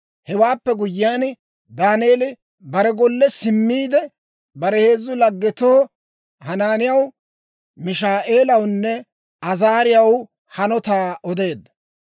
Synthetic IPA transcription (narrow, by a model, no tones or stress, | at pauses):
hɛwaːpːɛɡʊjːɪaːn | d̪aːneːlɪ | bɐɾɛɡɔlːɛsɪmːiːd̪ɛ | bɐɾɛhe̞ːzːʊlɐɡːɛt̪oː | hɐnaːnɪjɐw | mɪʃaːʔe̞ːlɐwnːɛ | ɐzaːɾɪjɐw | hɐnɔt̪aːɔd̪e̞ːd̪ːɐ